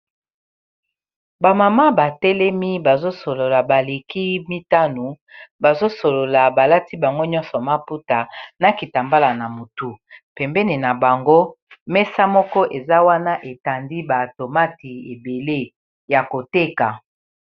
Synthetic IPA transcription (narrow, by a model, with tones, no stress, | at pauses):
ba˨ma˨ma˦ba˨tɛ˦lɛ˦mi˦ba˨zo˦so˨lo˨la˨ba˨le˨ki˦mi˦ta˦nu˨ | ba˨zo˦so˨lo˨la˨ba˨la˦ti˦ba˨ŋɡo˦ɲɔ̃˦nsɔ˨ma˦pu˦ta˨na˨ki˨ta˨mba˦la˨na˨mo˨tu˨pɛ˨mbɛ˦ni˨na˨ba˨ŋɡo˦ | mɛ˦sa˦mɔ˦kɔ˦ʔe˨za˦wa˦na˦ʔe˨ta˨ndi˦ba˨to˨ma˦ti˨e˨be˨le˦ | ja˨ko˨te˦ka˨